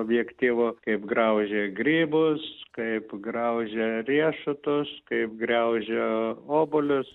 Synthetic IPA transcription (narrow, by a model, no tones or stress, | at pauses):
obʲjɛkt̪ʲiːʋʊkɐɪpɡrɐʊʒʲeɡɾʲiːbʊskɐɪpɡrɐʊʒʲɛrʲiɛʃʊt̪ʊskɐɪp̚ɡɾʲɛʊʒʲeoːbʊlʲʊs